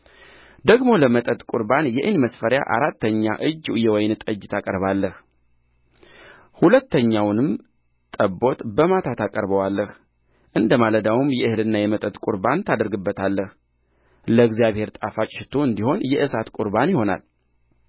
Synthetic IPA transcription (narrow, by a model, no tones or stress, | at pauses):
d̪əɡmo̞ləmət̪ʼət̪ʼkʼuɾbanjɛʔɨnməsfəɾja̰ʔa̰ɾat̪ːəɲːa̰ʔɨd͡ʒːjɛwɔjnɨt̪ʼɨd͡ʒːt̪ʰakʼəɾβalːəh | hulət̪ːəɲːawnɨm | t̪ʼəbo̞t̪bəmat̪ʰat̪ʰakʼəɾbəwalːəh | ʔɨnd̪əmaləd̪awumjɛʔɨhɨlɨnːajɛmət̪ʼət̪ʼkʼuɾbant̪ʰad̪əɾɡɨbːət̪ʰalːəh | ləɡzijaβhe̞ɾt̪ʼafat͡ʃʼʃɪt̪ʰoɨnd̪iho̞njɛʔɨsat̪kʼuɾbanjɪho̞na̰l